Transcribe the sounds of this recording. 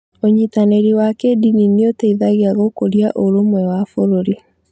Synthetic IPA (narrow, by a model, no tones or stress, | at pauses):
oɲitaneɾiwakedinineoteiðaɣeaɣokoɾjaʔoɾomwɛwafoɾoɾi